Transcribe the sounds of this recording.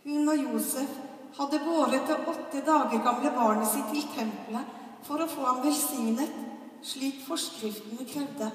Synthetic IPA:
hʉnɔjuːsəf | hɑd̪ːəɡoːɾət̪ɑʔɔt̪ːəd̪ɑːɡəɾɡɑmləbɑːɳəsɪt̪ʰːɪlt̪ʰɛmplə | fɔɾɔfoːhɑnʋɛlsɪŋnət̪ | ʂɭiːkfɔʂkfʏlt̪nəkʰɾɛʋd̪ə

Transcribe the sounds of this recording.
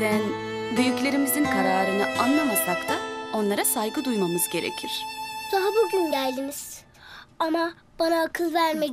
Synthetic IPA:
d̪æn | byjyclʲe̞ɾimizinkʰaɾaːɾɯnɯanlˠamasakt̪ʰao̞nlˠaɾasajɡɯd̪ujmamɯzɟe̞ɾḛcʰiɾ̝̥saɦabuɟynɟælʲd̪iniz̥ | ama | b̥anakʰɯlvæɾme

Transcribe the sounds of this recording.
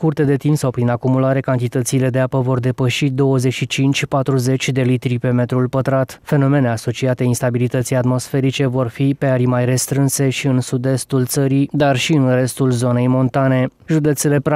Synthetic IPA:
kurt̪e̞d̪e̞t̪imsawpɾinakumulaɾe̞kant̪it̪ət̪siːle̞d̪eapəvo̞rd̪e̞pəʃid̪o̞wəze̞ʃit͡ʃint͡ʃʲpat̪ɾuze̞t͡ʃʲd̪e̞lit̪ɾipe̞me̞t̪ɾulpət̪ɾat̪fe̞no̞me̞ne̞aso̞t͡ʃiat̪einst̪abilit̪ət̪sijat̪mo̞sfe̞ɾit͡ʃe̞vo̞rfipe̞aɾimajre̞st̪ɾɨnse̞ʃiɨnsud̪e̞st̪ult̪səɾid̪arʃiɨnre̞st̪ulzo̞ne̞jmo̞nt̪ane̞ʒud̪e̞t̪se̞le̞p

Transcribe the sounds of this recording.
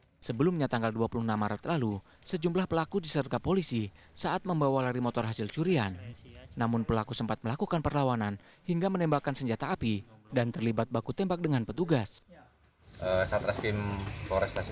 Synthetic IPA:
səbəlumɲat̪aŋɡalduapulʊhnamaɾət̪lalu | səd͡ʒumlahpəlakudisərt̪apolisi | saʔat̪̚məmbawalaɾimɔt̪ɔrɦasɪlt͡ʃuɾianːamʊnpəlakusəmpat̪̚məlakukanpərlawanan | hiŋɡamənɛmbakansəɲd͡ʒat̪aːpidant̪ərlibat̪̚bakut̪ɛmbak̚dəŋanpət̪uɡas | ʔəsat̪ɾasɪmfɔɾɛst̪as

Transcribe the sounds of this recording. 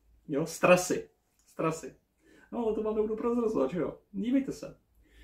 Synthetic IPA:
jost̪ɾasɪ | st̪ɾasɪ | nolɛt̪omaːmɛbudupɾozɾozɪlat̪ʒɛjoɟiːvɛjt̪ɛsɛ̰

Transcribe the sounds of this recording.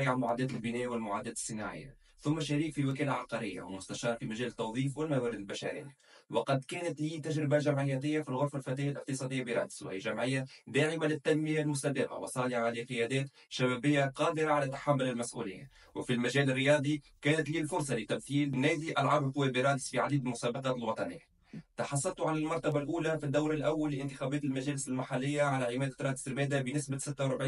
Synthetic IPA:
iʕanmʊʕaːd̪ɛːt̪ɪlbɪnɛːwɪlmʊʕaːd̪ɛːt̪sˤːɨnaʕɪ̰jːa̰ | θʊmːaʃæɾiːkfiwɪk̬æːlalʕɑqɑɾɪjːa̰wɪ̰lmʊst̪aʃɑːɾˤfimæʒæːlt̪ːɑwðˤiːfwɪlmawæːɾɪd̪ɪlbæʃaɾɪ̰jː | wɑqɑd̪kæːnɪt̪liːt̪æʒɾɪbalʒamʕɪjːæːt̪ɪjːafilɣʊɾˤfalfæt̪ɛjalʔɪq̚t̪ɨsˤɑːd̪ɪjːabiɾˤɑ̰ːd̪sw̰hɪjːaʒamʕɪjːad̪aːʕɪmalɪt̪ːænmɪjalmʊst̪æd̪ɪqa̰wɪ̰sˤɑːlɪʕaʕaliːqɪjɛːd̪ɛːt̪ | ʃabæːbɪjːaqɑːd̪ɪɾaʕalæt̪ːḁħamːʊlɪlmæsʔṵːlɪjːa̰ | wɪfilmæʒæːlɪrːɪjɑːd̪ˤikɛːnɪt̪liːlfʊɾsˤɑlɪt̪ːamθiːlnɛːd̪iʔalʕɑɾˤbqʊwːæːbiɾˤɑːd̪isfiʕad̪iːd̪ɪlmʊsæːbɑqɑːt̪ɪlwɑt̪ˤɑnɪ̰jːa | t̪ɑħɑs̬ˤːɑlt̪uʕanɪlmɑɾˤt̪abalʔuːlafid̪ːawɾɪlʔawːalːɪʔɪnt̪ɪxæːbɛːt̪ɪlmæʒæːlɪsɪlmaħalːɪjːaʕalæʕɪmɛːd̪at̪ɾˤɑːd̪isɾmɛːd̪abɪnɪsbasɪt̪ːawɾˤʊbʕiː

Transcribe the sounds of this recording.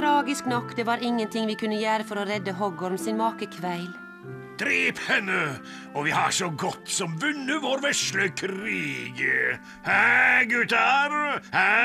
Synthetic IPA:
ɾɑːɡɪsknɔkːd̪eːʋɑːɾɪŋːənt̪ʰɪŋʋiːkʰʉnəjæːɾəfɔɾoːɾɛd̪əɦɔɡɔɾmsinmɑːkəkʰʋæɪl | d̪̥ɾiːphɛnːə | ɔʋiːhɑʂɔɡɔt̪sɔmʋʉnːəʋoːɾʋɛʂʈəkʰɾiːɡ | hæɡʉːt̪æɾhæ

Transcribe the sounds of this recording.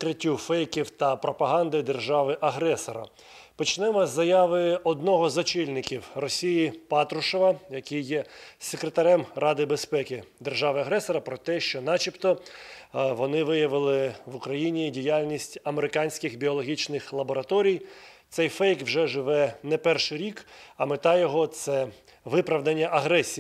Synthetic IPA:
kɾɪtʲːufɛjkʲiwt̪ɐpɾɔpɐɦɑnd̪ɪd̪erʒɑʋɪʔɐɦɾɛsɔɾɐ̰ | pɔt͡ʃnɛmɔzːɐjɑʋɪɔd̪nɔɦɔzɔt͡ʃilʲnɪkʲiwrɔsʲijipɑt̪ɾʊʃɔʋɐjɐkɪjːɛsekɾet̪ɐɾɛmrɑd̪ɪbespɛkʲɪd̪erʒɑʋɪɐɦɾɛsɔɾɐpɾɔt̪ɛʃt͡ʃɔnɑt͡ʃipt̪ɔ | ʋɔnɪʋɪjɐʋɪlˠɪʋʊkɾɐjinʲidʲijalʲnʲisʲtʲɐmeɾɪkɑnʲsʲkɪxbʲiɔlˠɔɦʲit͡ʃnɪxlˠɐbɔɾɐt̪ɔɾʲijt̪sɛjfɛjkwʒɛʒɪʋɛnɛpɛrʃɪɾʲikɐmɪt̪ɑjɔɦɔt̪sɛ | ʋɪpɾɐʋd̪ɐnʲːɐʔɐɦɾɛsʲi

